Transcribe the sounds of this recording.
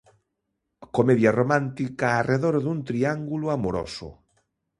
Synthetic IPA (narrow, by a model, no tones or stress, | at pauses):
komeðjaromãnt̪ikaːrʔeðoɾðunt̪ɾiaŋɡulʊamoɾo̰sʊ̰